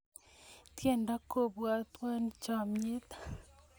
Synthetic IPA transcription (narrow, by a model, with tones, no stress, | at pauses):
tjeː˨nda˦ko˨βwa˨twa˦nit͡ʃa˨mje˦tḁ